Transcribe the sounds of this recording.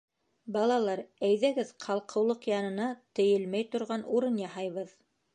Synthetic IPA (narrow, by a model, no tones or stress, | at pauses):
bɑlˠɑlˠɑɾæjðæɡɘðqʰɑlˠqʰɤ̆wlˠoqjɑnɤ̆nɑt̪ɘ̆jɘlmæjt̪ŏɾʁɑnuɾɤnjɑhɑjβɤð